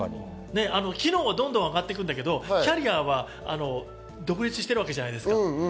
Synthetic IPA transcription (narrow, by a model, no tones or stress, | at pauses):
ne̞ano̞kʲino̞ːβad̪õnd̪õ̞aɡat̪ːe̞k̬ɯ̟̃nd̪ak̬e̞d̪o̞kʲaɾʲiaβa | a̰no̞ | d̪o̞kɯ̟ɾʲit͡sɨɕi̥t̪e̞ɾɯ̟βake̞d͡ʑanaid̪e̞sɨ̥ka